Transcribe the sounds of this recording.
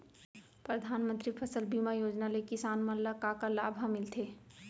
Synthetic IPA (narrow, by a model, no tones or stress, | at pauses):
pɾɐd̪ʱaːnmə̃nt̪ɾipʰəsəlbimajoːd͡ʒnalekɪsaːnmɐlːakakalaːbʱãmɪlt̪ʰeː